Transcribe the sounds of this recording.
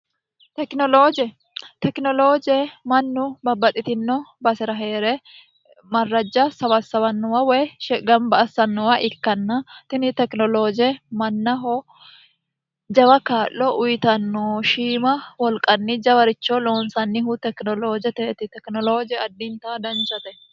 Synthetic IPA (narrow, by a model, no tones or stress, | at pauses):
t̪ɛknɔloːd͡ʒɛ | t̪ɛknɔloːd͡ʒemɐnːʊbɐbːɐt̪ʼɪt̪ɪnːɔbɐsɪɾɐɦe̞ːɾe | mɐrːɐd͡ʒːɐsɐbɐsɐβɐnːɔwɐwɛʃɡɐmbɐʔɐsːɐnːɔwɐʔɪkːɐnːɐt̪ɪnɪt̪ɛknɔloːd͡ʒemɐnːɐɦɔ | d͡ʒɐbɐkaːʔːɔʔʊjɪt̪ɐnːoːʃiːmɐwɔlkʼɐnːid͡ʒɐbɐɾɪt͡ʃːoːlo̞ːnsɐnːɪhʊt̪ɛknɔloːd͡ʒɛt̪ɛʔt̪ɪt̪ɛknɔloːd͡ʒɛɐd̪ːint̪ɐaːd̪ɐnt͡ʃɐt̪ɛ